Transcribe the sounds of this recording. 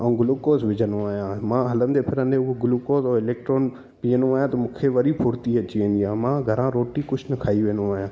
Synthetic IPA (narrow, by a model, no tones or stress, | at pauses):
ə̃ːɡʊlukoːsʋɪd͡ʒənõaːjãːmãːɦələmd̪eːpʰɪɾə̃nd̪eʊɡʊlukoːsoːɪleːk̚ʈɾoːn | pijənõaːjãːt̪ɐmʊ̃kʰeːʋəɾipʰʊɾt̪iːət͡ʃiːə̃nijãːmãːɡʱəɾãːɾoːʈiːkʊt͡ʃʰnəkʰaːiʋẽːnõaːɦjãː